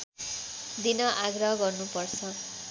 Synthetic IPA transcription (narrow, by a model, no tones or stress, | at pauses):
d̪inʌʔaɡrʌɦʌɡʌrnupʌrt͡sʰʌ